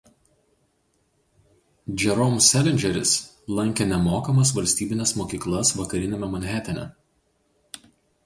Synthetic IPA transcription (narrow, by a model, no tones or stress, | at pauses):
d͡ʒʲɛɾɔmsʲælʲɛnʲd͡ʒʲɛɾʲɪ̰s | lˠɐŋʲkʲenʲɛmoːkɐmɐs̬ʋɐlʲsʲt̪ʲiːbʲɪnʲɛsmoːkʲiːklˠɐsʋɐkɐɾʲɪnʲɛmʲɛmɔnʲɦʲɛt̪ʲɪnʲɛ̰